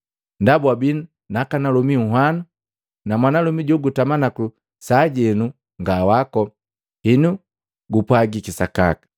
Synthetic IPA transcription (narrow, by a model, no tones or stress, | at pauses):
ndabwabin | nakanalɔmiuɦwanu | namwanalumiɟɔɡutamanaku | saɟɛnu | ŋɡawakɔ | hinu | ɡupwaɡikisaka̰kḁ